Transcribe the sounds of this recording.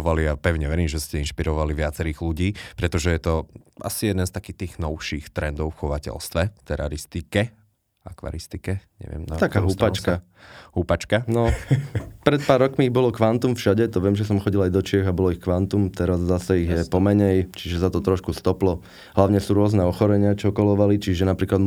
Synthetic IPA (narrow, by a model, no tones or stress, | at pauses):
ɔʋaliapɛʊɲɛʋɛɾiːmʒɛscɛinʃpiɾɔʋaliʋɪat͡sɛɾiːɣluɟiːpɾɛt̪ɔʒɛjɛt̪ɔa̰sijɛd̪ɛnst̪akiːt̪iːɣnɔʊʃiːxt̪ɾɛnd̪ɔʊfxɔʋacɛ̰lst̪ʋɛt̪ɛɾa̰ɾist̪ikɛ | a̰kʋa̰ɾist̪ikɛɲɛ̰ʋɪɛ̰mnaakkaɦup̪at͡ʃska | hupat͡ʃkanɔ | pɾɛt̪̚paːɾːɔkmiiɣbɔlɔkʋant̪umfʃaɟɛt̪ɔʋɪɛmʒɛs̬ɔmxɔɟilajd̪ɔt͡ʃɪɛɣabɔlɔixkʋant̪umt̪ɛɾazːasɛiɣjɛpɔmɛɲɛjt͡ʃiʒɛzat̪ɔt̪ɾɔʃkust̪ɔplɔ | ɦlaʊɲɛsuːɾʊɔznɛɔxɔɾɛɲɪat͡ʃɔkɔlɔʋalit͡ʃiʒɛnapɾiːklad̪